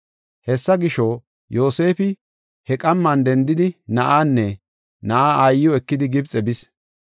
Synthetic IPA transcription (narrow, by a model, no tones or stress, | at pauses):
hɛsːɐɡɪʃo | jo̞ːse̞ːfɪ | hɛkʼɐmːɐnd̪ɛnd̪ɪd̪ɪnɐʔaːnːɛ | nɐʔaːajɪjɔɛkːɪd̪ɪɡɪbt͡sʼɛbɪs